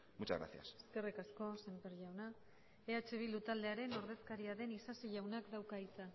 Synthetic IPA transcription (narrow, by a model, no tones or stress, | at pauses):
mut͡ʃa̰zɣɾa̰θia̰se̥ske̞rikasko̞se̞mpeɾʝawna | eat͡ʃe̞βilut̪ald̪e̞aɾe̞no̞ɾð̞e̞skaɾiaðe̞nisasiʝawnakd̪awkait͡sa